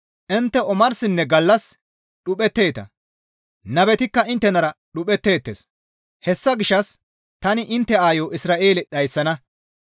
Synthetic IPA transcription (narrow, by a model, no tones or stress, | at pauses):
ʔɪnt̪ːɛɔmɐɾsɪnːɛɡɐlːɐs | ɗʊpʼɛt̪ːe̞ːt̪ɐ̰ | nɐbɛt̪ɪkːɐɪnt̪ːɛnɐɾɐɗʊpʼɛt̪ːe̞ːt̪ːḛːs | hɛsːɐɡɪʃːɐs | t̪ɐnɪʔɪnt̪ːɛaːjoːʔɪsɾaːʔe̞ːlɛɗɐjsːɐnɐ